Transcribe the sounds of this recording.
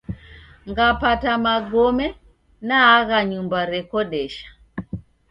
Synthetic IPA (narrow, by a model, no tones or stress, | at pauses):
ŋɡapatamaɡɔmɛ | naːɣaɲumbaɾɛkɔɗɛʃḁ